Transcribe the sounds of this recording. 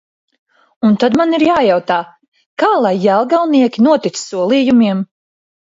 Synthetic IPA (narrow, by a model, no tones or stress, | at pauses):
unt̪ad̪maniɾjaːjawt̪aː | kaːlˠajːælˠɡalˠniɛkʲinuɔt̪it̪ssuɔlˠijumiɛm